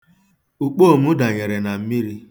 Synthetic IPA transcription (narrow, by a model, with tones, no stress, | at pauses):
u˨k͡po˦o˨mu˦da˨ɲe˨ɾe˨na˨m̩˦mi˦ɾi˦